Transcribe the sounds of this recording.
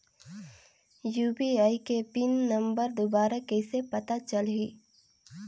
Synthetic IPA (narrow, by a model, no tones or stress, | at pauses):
juːbiaːikepinːə̃mbəɾd̪obaːɾakɛɪsepɐt̪at͡ʃəlɦiː